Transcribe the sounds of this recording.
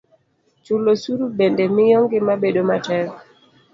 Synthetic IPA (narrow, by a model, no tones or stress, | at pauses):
t͡ʃulosuɾubendemɪjɔŋɡɪmabedomatɛɾ